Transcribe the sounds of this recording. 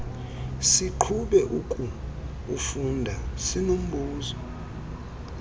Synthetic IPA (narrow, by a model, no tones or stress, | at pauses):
siǃʰuɓɛʔukʼuː | fundʱasinum̩bʱuːzɔ